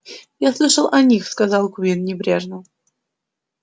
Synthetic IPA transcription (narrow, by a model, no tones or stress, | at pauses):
jaslˠɨʂəlˠʔɐnʲixskazɑlˠkʊvʲinnʲɪbɾʲeʐnə